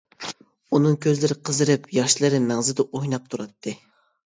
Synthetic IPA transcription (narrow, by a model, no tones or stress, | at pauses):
unɨŋkʲʰøzlɪɾɪqʰəzɨɾɨpjɑʃlˠɨɾɨmæŋzɪd̪ɛʔojnɑp̚t̪ʰuɾɑt̪ʰːɨ